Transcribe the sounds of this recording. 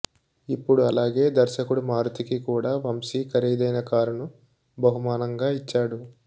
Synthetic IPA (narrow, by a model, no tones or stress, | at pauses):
ipːuɽuɐlaːɡe̞ːd̪ɐɾʃɐkuɽumaːɾut̪ikikuːɽaːʋɐmsiːkɐɾiːd̪ɐjnɐkaːɾunu | bɐɦumaːnɐŋɡaːit͡ʃːaːɽu